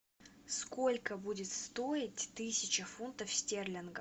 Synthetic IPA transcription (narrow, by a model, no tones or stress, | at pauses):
skolʲkəbudʲɪt̪st̪o̞ɪtʲt̪ɨsʲɪt͡ɕəfunt̪əfsʲtʲerlʲɪnɡə